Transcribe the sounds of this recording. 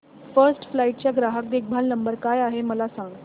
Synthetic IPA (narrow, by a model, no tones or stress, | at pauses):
fəɾsʈflaiʈ̚t͡ɕjaɡɾaɦək̚d̪ek̚bʱalnəmbəɾkajaɦeməlasaŋɡ